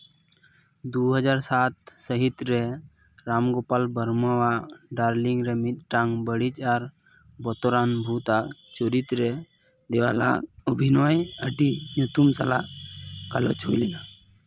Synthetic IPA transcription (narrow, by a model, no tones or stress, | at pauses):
d̪uɦəd͡ʒaɾsat̪̚səɦit̪ɾe | ɾamɡopalbəɾməwaɖaɾliŋɡɾemit̪̚ʈaŋɡbəɽit͡ʃaɾ | bɔt̪ɔɾanbʱut̪at͡ʃuɾit̪ɾe | d̪eʋa̰la̰ɔbʱinɔjəɖinut̪umsalakalɔ̰t͡ʃo̰jlina